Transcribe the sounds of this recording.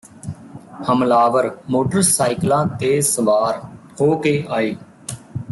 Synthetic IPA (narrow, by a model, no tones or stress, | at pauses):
həmlaːʋəɾmoːʈəɾsaːɪklãːt̪eːsəʋaːɾ | hoːkeːʔaːeː